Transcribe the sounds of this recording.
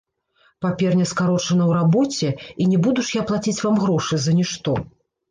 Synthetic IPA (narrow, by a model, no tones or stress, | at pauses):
papʲɛrnʲɐskaɾɔt͡ʂɐnɐwɾabɔt͡sʲɛinʲɛbud̪uʂjaplˠat͡sʲit͡sʲvamɣɾɔʂɨzɐnʲɛʂt̪ɔ